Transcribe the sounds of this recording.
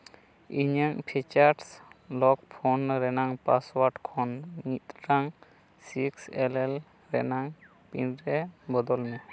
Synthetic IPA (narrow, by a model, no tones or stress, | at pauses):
iɲəŋpʰɛt͡ʃaɾslɔk̚pʰɔnɾɛnaŋpaswaʈkʰɔnmit̪ɾaŋ | siksɛlɛl | ɾɛnaŋ | pḭnɾɛbɔd̪ɔlnɛ